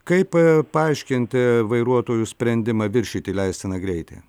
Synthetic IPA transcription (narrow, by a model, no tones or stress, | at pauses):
kɐɪppɐɐɪʃʲkʲɪnʲt̪ʲɪʋɐɪɾuɔt̪oːjʊsʲpʲɾʲɛnʲd̪ʲɪmɐːʋʲɪɾʲʃʲiːt̪ʲiːlʲɛɪsʲt̪ʲɪnɐɡɾʲɛɪt̪ʲḛː